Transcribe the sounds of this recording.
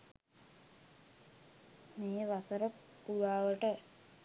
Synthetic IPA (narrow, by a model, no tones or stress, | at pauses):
meːʋasəɾə | puʋaːʋəʈə